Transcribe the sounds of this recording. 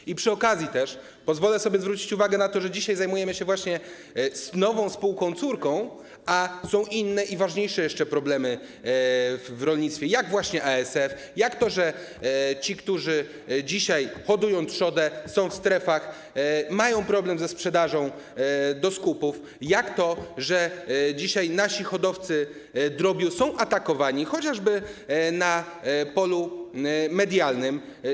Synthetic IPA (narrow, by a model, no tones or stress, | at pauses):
ipʂɨɔkazʲjit̪ɛʂ | pɔzvɔlɛsɔbʲjɛzvɾut͡ɕi̥t͡ɕuvaɡɛnat̪ɔʐɛd͡ʑiɕajzajmujɛmɘɕɛvwaɕɲɛ | snɔvɔ̃w̃spuwkɔ̃w̃t̪suɾkɔ̃w̃ | asɔ̃w̃ʔinːɛʔivaʐɲejʂɛjɛʂt͡ʂɛpɾɔblɛmɘ | vvɾɔlɲit̪sʲjɛjaɡvwaɕɲɛʔaɛsɛf | jakt̪ɔʐɛ | t͡ɕikt̪uʐɘ | d͡ʑiɕajxɔd̪ujɔ̃w̃tʂɔd̪ɛsɔ̃w̃fst̪ɾɛfax | majɔ̃w̃pɾɔblɛmzɛspʂɛd̪aʐɔ̃w̃ | d̪ɔskupuf | jakt̪ɔʐɛd͡ʑiɕajnaɕixɔd̪ɔft̪sɘ | d̪ɾɔbʲjusɔ̃w̃ʔat̪akɔvaɲixɔt͡ɕaʐbɘna | pɔlu | mɛd̪ʲjalnɘm